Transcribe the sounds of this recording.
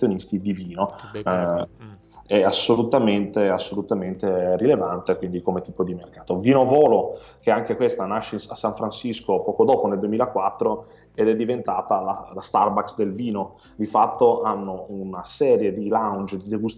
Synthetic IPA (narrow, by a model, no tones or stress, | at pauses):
jonist̪id̪iviːno | ɛasːolut̪ament̪easːolut̪ament̪erilevant̪ekwind̪ikomet̪iːpod̪imerkaːt̪oviːnovɔːlokeaŋkekwest̪anaʃːeasːaɱfɾansiskopɔːkod̪ɔːponeld̪uemiːlakwat̪ːɾo | ed̪ɛd̪ːivent̪aːt̪alalast̪arbaksd̪elviːno | d̪ifat̪ːoʔanːounasɛːɾjed̪ilawnd͡ʒd̪id̪eɡust̪